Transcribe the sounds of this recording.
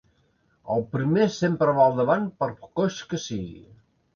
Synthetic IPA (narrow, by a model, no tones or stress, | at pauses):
əlˠpɾimesempɾəβalˠd̪əβanpəɾpkoʃkəsiɣḭ